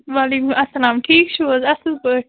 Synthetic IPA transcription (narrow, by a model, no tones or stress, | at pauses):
ʋaːlekumɐsːɐlaːmʈʰiːkʃoːzɐsɨzbəʈ̚